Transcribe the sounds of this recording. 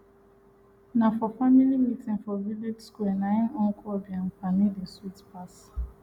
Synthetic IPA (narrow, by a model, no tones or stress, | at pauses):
nafɔfamilimitʰĩnfɔvilidskuɛnãnɔ̃ŋkʰɔbiãnfanidĩswitpʰas